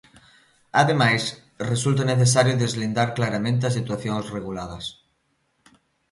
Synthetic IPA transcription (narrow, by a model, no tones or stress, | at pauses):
aðemajs | result̪̬aneθes̬aɾjoðezβlind̪aɾklaɾamẽnt̪̬eas̬it̪waθjõŋsreɣulað̞ɐs